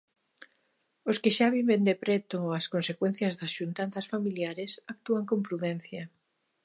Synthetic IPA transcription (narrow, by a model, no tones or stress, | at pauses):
oskɪʃaβ̞iβend̪epɾɛt̪ʊɐskonsekwẽn̟θjɐzðɐsʃunt̪anθɐsfamiljaɾesak̚t̪uaŋkompɾuðɛn̟θjɐ